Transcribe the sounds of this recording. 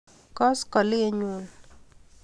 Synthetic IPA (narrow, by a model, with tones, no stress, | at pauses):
kɔ˦skɔ˨lɪ˦e˨ɲu˨n